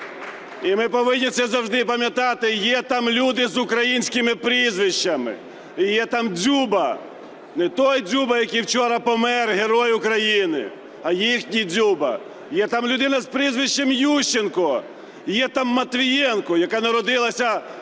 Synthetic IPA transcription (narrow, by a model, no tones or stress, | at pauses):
imɪpɔʋɪnʲːisɛzɐwʒd̪ɪpɐmʲjɐt̪ɑt̪ɪjɛt̪ɑmlʲud̪ɪzʊkɾɐjinʲsʲkɪmɪpɾizʋɪʃt͡ʃːɐmɪ̰ | ijɛt̪ɑmd͡zʲubɐ | nɛt̪ɔjd͡zʲubɐjɐkʲijwt͡ʃɔɾɐpɔmɛrɦeɾɔjʊkɾɐjinɪ̰ | ɐjixnʲid͡zʲubɐ̰ | jɛt̪ɑmlʲʊd̪ɪnɐzpɾizʋɪʃt͡ʃːɛmjuʃɪnkɔ | jɛt̪ɑmːɐt̪ʋʲijɛnkɔjɐkanɐɾɔd̪ɪlˠɐsʲɐ